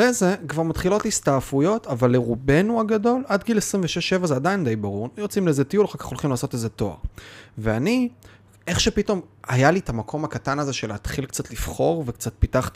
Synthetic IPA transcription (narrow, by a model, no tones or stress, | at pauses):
eze̞kvaʁmat̪χilo̞tistaːfujo̞tavalːeʁube̞nuaɡado̞ladɡilesʁimveʃeʃːe̞vazeadaind̪e̞jbaʁuʁjot͡simleezetijulχakḁχolχimlaːso̞teze̞to̞a̰ʁveani | e̞χʃepito̞ma̰jalitamakʰo̞mhakatanazeʃe̞leːt̪χilkt͡satlifχo̞ʁvekt͡sat̚pitaχt̪i